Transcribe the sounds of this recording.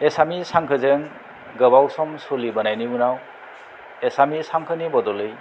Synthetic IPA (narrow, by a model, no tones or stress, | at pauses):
esamisaŋkʰɯzeŋ | ɡɯbawsɔmsulibɯnajniunaw | esamisaŋkʰɯnibɔdɔlɯj